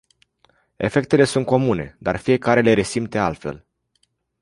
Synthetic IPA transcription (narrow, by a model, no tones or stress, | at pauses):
e̞̰fe̞k̚t̪e̞le̞sunt̪̚ko̞mune̞̰d̪arfije̞kaɾe̞le̞ɾe̞simt̪e̞alt̪fe̞̰l